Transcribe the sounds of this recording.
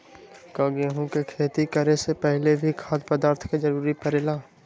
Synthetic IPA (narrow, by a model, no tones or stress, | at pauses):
kaːɡeɦõkekʰeːt̪ikəɾesepɛɦlebʱikʰaːd̪pəd̪aːɾt̪ʰkad͡ʒɐɾuːɾipəɾeːlaː